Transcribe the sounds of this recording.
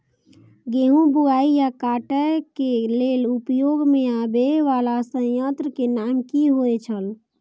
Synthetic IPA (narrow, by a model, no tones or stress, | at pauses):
ɡeɦũbuaijakaʈəkelelupjoɡmẽabeʋalasə̃jənt̪ɾəkenamkiɦoet͡ʃʰəl